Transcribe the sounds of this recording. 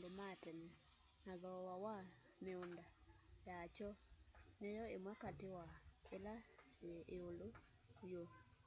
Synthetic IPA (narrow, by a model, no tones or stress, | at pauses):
domatɛnɛ | naðɔwawa | meondajat͡ʃɔnejɔemwakatewaela | eolo | jo